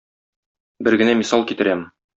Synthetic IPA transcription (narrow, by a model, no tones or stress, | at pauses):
bɘɾɡɘ̆næmisɑlˠkit̪ɘ̆ɾæmɘ